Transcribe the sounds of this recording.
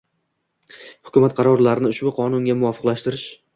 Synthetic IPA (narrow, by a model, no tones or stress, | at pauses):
hʊ̥kʰʲʊmat̪̚qʰɑɾɒɾlaɾɪnɪʊʃbʊqʰɒnʊŋɡʲamʊɒfɨ̥qlaʃt̪ɪɾɪʃ